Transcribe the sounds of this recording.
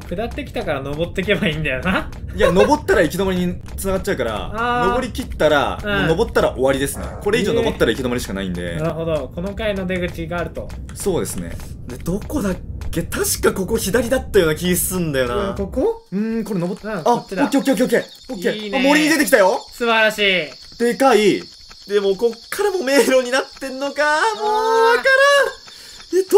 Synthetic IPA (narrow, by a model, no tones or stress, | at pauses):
kɯ̟d̪at̪ːe̞kʲi̥t̪akaɾano̞bo̞t̪ːe̞kʲe̞baĩnd̪ajona | jano̞bo̞t̪ːaɾaikʲid̪omaɾiɲ̟i | t͡sɨnaɡat͡ɕ̚ːt͡ɕːɕaɯ̟kaɾa̰ano̞bo̞ɾʲikʲit̪ːaɾa̰no̞bo̞t̪ːaɾa̰ʔo̞βaɾʲid̪e̞sɨno̰ko̞ɾe̞iʑo̞ːnoot̪ːaɾaikʲid̪o̞maɾiɕi̥kana̰ḭ̃nd̪e̞̰naɾɯ̟ɦod̪oko̞no̞kainod̪eɡɯ̟t͡ɕiɡaːɾɯ̟t̪o̞ | so̞ːd̪e̞sɨne̞̰ | d̪e̞d̪̥o̞ko̞d̪akːe̞t̪aɕi̥kako̞ko̞çid̪aɾʲid̪at̪ːajo̞ːnakʲiisɨ̥sɨ̃nd̪ajo̞naokoɯ̟̃ko̞ɾenoboaokːeokːeok̬ʲːeokːe | okːeamo̞ɾʲiɲ̟id̪e̞t̪ek̬ʲit̪ajo̞sɨbaɾaɕiː | d̪̥e̞kai | d̪e̞mo̞ko̞kʰːaɾamo̞me̞ːɾo̞ɲ̟inat̪ːe̞ɾɯnːo̞kamoakaɾa | e